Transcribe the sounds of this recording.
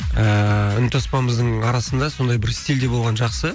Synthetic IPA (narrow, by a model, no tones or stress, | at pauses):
əʏnt̪ʰospɑnməzd̪əɴɑɾɑsənd̪ɑso̞nd̪ɑjbɪɾst̪ild̪e̞bo̞lˠʁɑnʒɑqsə